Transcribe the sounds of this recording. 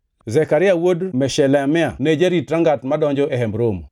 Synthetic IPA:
zɛkaɾɪawodmɛʃɛlɛmɪaned͡ʒaɾitɾaŋɡatmadɔɲd͡ʒɔʔɛɦɛmɾom

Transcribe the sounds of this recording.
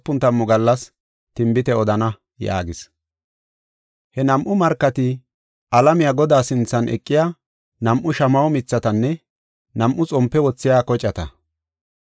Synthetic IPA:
pːʊnt̪ɐmːɔɡɐlːɐs | t̪ɪmbɪt̪ɛɔd̪ɐnɐ | ja̰ːɡɪs | hɛnɐmʔʊmɐɾkːɐt̪ɪ | ʔɐlɐmɪjaːɡɔd̪aːsɪnt͡sːɐnʔɛ̰kʼːɪja | nɐmʔʊʃɐmɐwɔmɪt͡sːɐt̪ɐnːɛ | nɐmʔʊt͡sʼɔmpːɛwɔt͡sːɪjaːkɔt͡ʃʼːɐt̪ɐ̰

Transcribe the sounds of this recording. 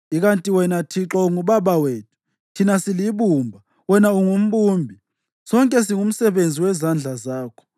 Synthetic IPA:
iɣantʼiwɛnatʰiǁɔuŋuβaβaweːtʰu̥ | tʰinasiliβumbʱa | wɛnauŋum̩ɓuːmbʱi | sɔŋkʼɛs̬iŋum̩sɛβend͡zʱiwɛzand͡ɮʱazaːkʰɔ̥

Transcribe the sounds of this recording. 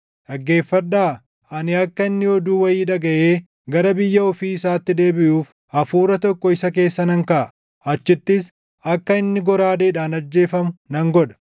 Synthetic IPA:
ᶑɐɡːe̞ːfːɐᶑaː | ʔɐnɪɐkːɐɪnːɪɔd̪uːwɐjiːᶑɐɡɐʔeː | ɡɐɾɐbɪjːɐɔfiːɪsaːt̪ːɪd̪e̞ːbɪʔuːf | ɐfuːɾɐt̪ɔkːɔɪsɐke̞ːsːɐnɐŋkɐʔɐ | ʔɐt͡ʃːɪt̪ːɪs | ɐkːɐɪnːɪɡɔɾaːd̪eːᶑaːnɐd͡ʒːe̞ːfɐmʊnɐŋɡɔᶑɐ̥

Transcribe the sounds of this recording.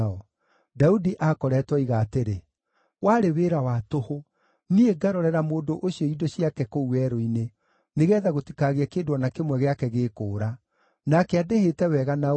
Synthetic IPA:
ɔ | daudiʔakɔɾɛtwɔiɣaːteɾe | waɾeweːɾawatoho | nieɡaɾɔɾɛɾamoːndoʔoɕiɔidoɕijakɛkouɛɾoine | neɣɛːðaɣotikaɣeakeːdwɔnakemwɛɣeakɛɣeːkoːɾa | nakɛadehetɛwɛɣana

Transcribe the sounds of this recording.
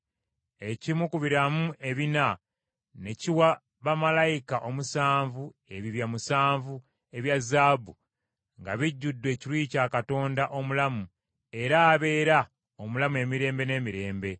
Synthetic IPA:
e̞cimukuβiɾamuʔe̞βina | ne̞ciwa | βamalajikaʔo̞musaːɱvu | e̞βiβjamusaːɱvu | e̞βjazːaːbu | ŋɡa̰βiɟːudːwe̞ːciɾwiːcaːkato̞ːndaʔo̞mulamu | e̞ɾaːβe̞ːɾa | omulamue̞miɾe̞ːmbe̞ne̞ːmiɾe̞ːmbe̞

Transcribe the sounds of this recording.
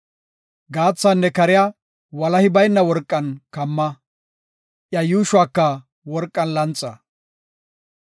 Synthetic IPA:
ɡaːt͡sːanːɛkɐɾɪja | wɐlɐhɪbɐjnːɐwɔɾkʼːɐnkɐmːɐ | ʔjɐjuːʃʊwaːkːɐ | wɔɾkʼːɐnlɐnt͡sʼːɐ

